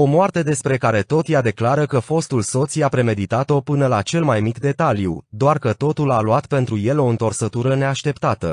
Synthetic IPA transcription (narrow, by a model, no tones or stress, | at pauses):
o̞moart̪e̞d̪e̞spɾe̞kaɾe̞t̪o̞t̪jad̪e̞klaɾəkəfo̞st̪ulso̞t̪sjapɾe̞me̞d̪it̪at̪o̞pɨnəlat͡ʃe̞lmajmikd̪e̞t̪alijṵd̪oarkət̪o̞t̪ulaluat̪pe̞nt̪ɾujelo̞ɨnt̪o̞rsət̪uɾəne̞aʃt̪e̞pt̪at̪ə